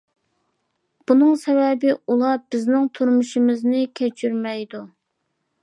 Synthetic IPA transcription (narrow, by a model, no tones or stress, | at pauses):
b̥unɨŋsɛvɛbɪulˠɑbɪznɪŋt̪ʰuɾmuʃimɪznɪkʲʰet͡ʃʰyɾmɛjd̪u